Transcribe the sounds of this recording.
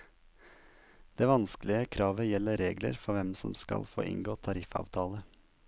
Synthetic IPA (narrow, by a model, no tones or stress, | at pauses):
d̪̥eːʋɑnsklɪəkʰɾɑːʋəjɛlːəɾeːɡlə̰ɾfɔʋɛmsɔmskɑ̰lfo̰ːʔɪ̰ŋɡoːt̪ʰɑɾɪfɑ̰ːʋt̪ʰɑːlə